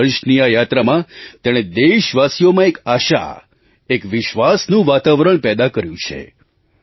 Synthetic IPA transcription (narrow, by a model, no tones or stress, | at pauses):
əɾʃnijajat̪ɾamãt̪eɽ̃ed̪eʃʋasijomãekaʃa̰ | ekʋɪʃʋasnũʋat̪aʋɾəɳ̃pɛd̪akəɾjũt͡ʃʰḛ